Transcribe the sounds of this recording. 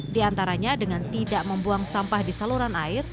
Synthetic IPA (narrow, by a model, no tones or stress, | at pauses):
diant̪aɾaɲadəŋant̪idaʔməmbuaŋsampahdisaluɾanaɪr